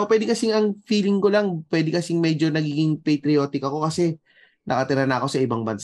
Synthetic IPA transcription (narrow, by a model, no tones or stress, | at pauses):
pwɛːd̪ɪkɐsɪŋɐŋfiːlɪŋko̞laŋpwɛːd̪ɪkɐsɪŋmɛd͡ʒo̞nɐɡiːɡɪŋpejt̪ɾɪjo̞ːt̪ɪkɐko̞kɐsɛ | nʔɐ̰kɐt̪ɪɾɐnɐɐko̞sɐʔɪbaŋbɐnsa